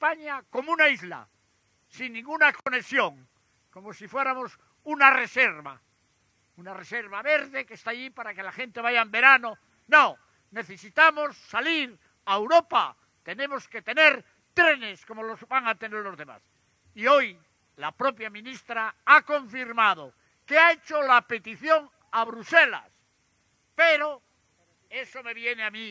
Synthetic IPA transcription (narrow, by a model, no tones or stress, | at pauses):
espaɲako̞munaizla̰ | sinːĩŋɡunako̞ne̞sjo̞ŋ | ko̞mosifwe̞ɾamo̞s | unare̞se̞ɾβa̰ | unare̞se̞ɾβaβe̞ɾðe̞kest̪aːʎipaɾake̞laxe̞nt̪e̞βaʝaembe̞ɾano̞ | nõ | ne̞θe̞sit̪amo̞sːaliɾ | aewɾo̞pa̰ | t̪e̞ne̞moske̞t̪e̞ne̞ɾ | t̪ɾe̞ne̞sko̞mo̞lozbaŋat̪eneɾlo̞zðe̞ma̰s | io̞j | lapɾo̞pjamĩnist̪ɾaako̞ɱfiɾmað̞o | keaet͡ʃolape̞t̪iθjo̞ŋ | aβɾuse̞la̰s | peɾo | e̞so̞me̞βje̞neami